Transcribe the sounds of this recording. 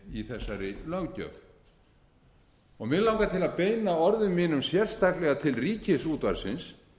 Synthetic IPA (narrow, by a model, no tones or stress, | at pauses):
iθɛsːaɾɪlœɣcœ̰v | ɔɣmɪðlawŋkat̪ʰɪlaðpeːjnaɔɾðʏmːiːnʏmsjɛr̥st̪aklɛɣat̪ʰɪlriːcɪsuːt̪vaɾsɪns